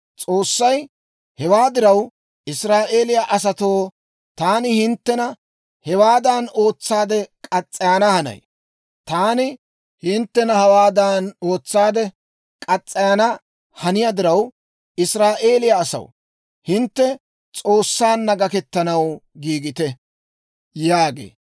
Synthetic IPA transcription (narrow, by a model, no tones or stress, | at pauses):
t͡sʼo̞ːsːɐj | hɛwaːd̪ɪɾɐw | ʔɪsɾaːʔe̞ːlɪjaʔɐs̬ɐt̪o̞ː | t̪aːnɪhɪnt̪ːɛnɐ | hɛwaːd̪aːno̞ːt͡sːaːd̪ɛkʼɐt͡sʼːɪjaːnɐhɐnɐ̰j | t̪aːnɪ | hɪnt̪ːɛnɐhɐwaːd̪ano̞ːt͡sːaːd̪ɛ | kʼɐt͡sʼːɪjanɐ | hɐnɪjad̪ɪɾɐw | ɪsɾaːʔe̞ːlɪjaːsɐ̰w | hɪnt̪ːɛ | t͡sʼo̞ːsːaːnːɐɡɐkɛt̪ːɐnɐwɡiːɡɪt̪ɛ | jaːɡḛː